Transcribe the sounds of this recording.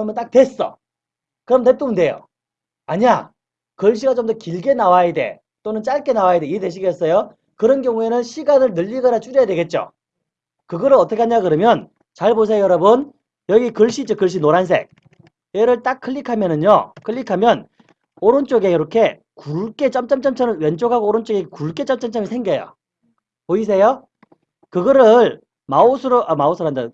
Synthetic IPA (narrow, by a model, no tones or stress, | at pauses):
ʌmʌnt͈ak̚twe̞s͈ʌ̰ | kɯɾʌmtep͈ubunde̞jo̰ | aɲa | kɯɭɕ̬ʰiɡat͡ɕomdʌkiɭɡe̞nawajede̞̰ | t͈onɯnt͡ɕ͈aɭk͈e̞nawaide̞ide̞ɕ̬ʰiɡes͈ʌjo | kɯɾʌnɡjʌŋue̞nɯnɕʰiɡanɯɭnɯʎːiɡʌnat͡ɕ͈uɾjʌjadwe̞ɡe̞t̚t͡ɕ͈o̰ | kɯɡʌɾɯnʌtʰʌkʰeaɲakɯɾʌmjʌn | t͡ɕaɭbosʰejjʌɾʌbɯn | jʌɡikɯɭɕ͈id͡ʑʌkɯɭɕ̬͈ʰinoɾans̬ʰe̞̰k̚ | eɾɯɭt͈akʰːɯʎːikʰamjʌnɯɲokʰɯʎːikʰamjʌn | oɾɯnt͡ɕ͈oɡejiɾʌkʰe̞ | kuɭk͈e̞t͡ɕ͈ʌmt͡ɕ͈ʌmt͡ɕ͈ʌmt͡ɕ͈ʌnɯwent͡ɕ͈oɡɦaɡoːɾont͡ɕ͈oɡekuɭk͈e̞t͡ɕ͈ʌmt͡ɕ͈ʌmt͡ɕ͈ʌmisʰe̞ŋɡjʌjo̰ | oisʰejo | kɯɡʌɾɯɭ | maosʰɯɾoʔʌmaosʰɯɾoɦanda